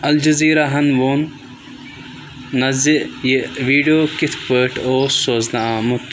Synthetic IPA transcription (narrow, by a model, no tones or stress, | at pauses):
ɐld͡ʒɐziːɾɐɦɐnʋoːn | ɐzijeʋiːɖijoːkɪt̪ʰpəːʈʰoːsoznaaːmut̪